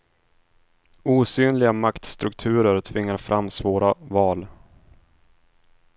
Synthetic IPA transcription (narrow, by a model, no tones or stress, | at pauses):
uːsyːnlɪɡamakt̪st̪ɾɵkt̪ʰʉ̟ːɾəɾt̪ʰvɪŋːaɾfɾʔamːsvoːɾavɑːl